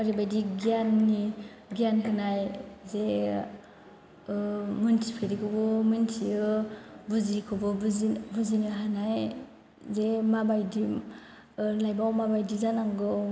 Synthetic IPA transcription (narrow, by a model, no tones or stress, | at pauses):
aɾibajdiɡianːi | ɡiankʰɯnajze | muntʰipʰeɾikʰɯwbɯmɯntʰiɯbuzikʰɯbɯbzibuziniɦanaj | zemabajdim | lajbawmabajdizanaŋɡɯw